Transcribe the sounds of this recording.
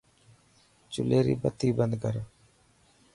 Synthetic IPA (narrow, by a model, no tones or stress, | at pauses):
t͡ʃʊleːɾḭːbət̪iːbənd̪kəɾoː